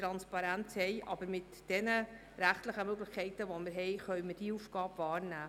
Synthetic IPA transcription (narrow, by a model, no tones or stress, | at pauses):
tɾɑnspɑɾænthɛjʔɑ̰bəɾmɪt | d̥ɛnə | ɾæχt̪ləχəmøɡləχkʰɛɪtəʋɔmɪɾɦɛjχœɥməɾd̥iufɡ̥ɑːbvɑːɾnæː